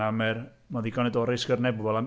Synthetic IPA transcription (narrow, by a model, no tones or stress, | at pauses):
amɛr | maðiɡɔnɛdɔɾɪsɡərnɛb̚ɔbɔlˠam